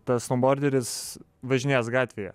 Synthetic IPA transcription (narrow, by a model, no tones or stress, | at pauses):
t̪ɐst̪ˠomboːɾʲd̪ʲɛɾʲɪs | ʋɐʒʲɪnʲeːs̬ɡɑːt̪ʲʋʲejɛ̰